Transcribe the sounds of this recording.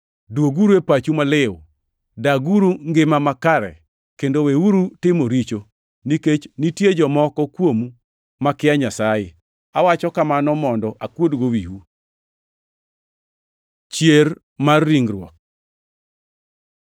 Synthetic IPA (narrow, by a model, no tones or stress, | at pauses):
dwoɡuɾuepat͡ʃumalɪw̰ | daɡuɾuŋɡɪmamakaɾɛ̰ | kendoweuɾutɪmoɾit͡ʃo | niket͡ʃnitjed͡ʒɔmɔkɔkwomu | makɪaɲasaje | awat͡ʃɔkamanɔmɔndɔʔakwodɡowiwu | t͡ʃjer | marːiŋɡɾwɔ̰k̚